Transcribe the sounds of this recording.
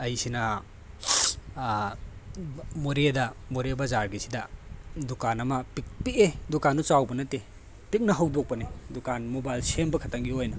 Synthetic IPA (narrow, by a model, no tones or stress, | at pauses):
ɐjsinɐ | moɾedɐmoɾebɐzaɾɡisidɐdukanɐmɐpik̚piedukanːut͡ʃawbɐnɐte | pik̚nɐɦɐwdok̚pɐnedukanmobajlsembɐkʰɐtʰaŋɡiojnɐ